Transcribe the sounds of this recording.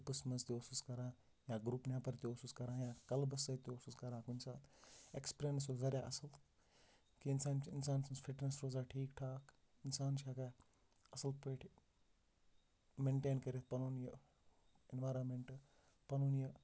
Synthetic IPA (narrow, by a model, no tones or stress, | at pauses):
pɨsmɐzt̪iosuːskɐɾãː | jaːɡɾupnaːpɐɾt̪iosuːskɐɾãːjaːkɐlbɐsɐt̪ioːsuːskɐɾãːkunsaːt̪ʰekspɾeːnɐs̬oːzɐɾʲjaːʔɐsəl | kiɪnsaːnt͡ʃɪnsaːnsɐnsfʰɪʈnesɾoːzaːʈʰiːkʈʰaːk | ɪnsaːnt͡ʃʰaːka | ɐsɐlpeːʈʰ | mẽɳʈeːnkɐɾet̪̚ʰpɐnuːnjɐ | ɪnʋaːɾonmeɳʈ | pɐnuːnjɐ